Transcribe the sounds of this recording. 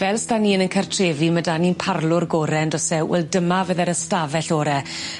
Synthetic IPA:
vɛlˠstaniːənənkʰərtʰreːvimədaninpʰarlʊrɡɔːɾɛndɔsɛwɛ̰lˠdəmavəðɛɾəstavɛɬɔɾɛ

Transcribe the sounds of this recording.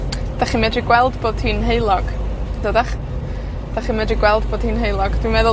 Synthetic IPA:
d̥aχiːmɛdriɡwɛlˠdboːd̥hiːnɦejlˠɔɡ̥ | dədaχ | d̥aχiːmɛdriɡwɛlˠd̚boːd̥hiːnɦejlˠɔɡ̥d̥wimɛðʊ

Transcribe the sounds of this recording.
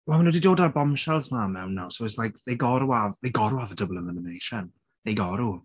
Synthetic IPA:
wɛlˠmanwɛdidoːdarbɔmʃɛlˠzmamːɛwnːawsoɛslajkʰðejɡɔɾuavðejɡɔɾuavədəblˠənəmənejʃan | ðejɡɔɾu

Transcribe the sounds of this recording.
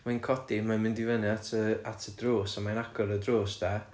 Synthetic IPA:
majnkʰɔd̥imanmɪndɪvənɨatʰəatʰədroːsamajnaɡɔɾədroːsd̥a

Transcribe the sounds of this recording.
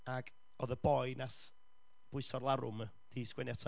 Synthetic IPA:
aɡ̥ | ɔðəbɔɨnas | b̥ʊɨsɔlˠaɾʊ̰m | d̥iskwɛnjatʰɔ

